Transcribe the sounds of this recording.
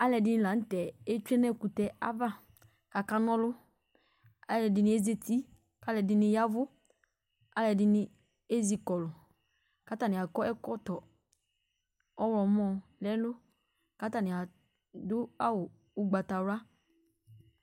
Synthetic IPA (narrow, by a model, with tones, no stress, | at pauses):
a˦lɛ˨dɪ˦nɪ̃˦la˨n̩˦tɛ˨e˦t͡ʃᶣɛ˦nɛ˦˨ku˨tɛ˦a̰˦va˦ | ka˨ka˦nɔ̃˦lʊ˦ | a˦˨ɛ˨dɪ˨nɪ̃˦e˦ze˦tʰi˦ | ka˦lɛ˨dɪ˨nɪ˦ja˦vʊ˦ | a˦lɛ˨dɪ˦nɪ˦ | e˦zi˨kɔ˨lʊ˨ | ka˨˦ta˨nɪ̃˨a˨kɔ˦ʔɛ˦kɔ˦tɔ˨ | ɔ˦wɔ˨˦mɔ˦˨lɛ˦lʊ˦ | ka˦ta˨nɪ̃˨a˨ | dʊ˦a˦wʊ˨ | ʊ˦ɡ͡ba˨ta˨wa˦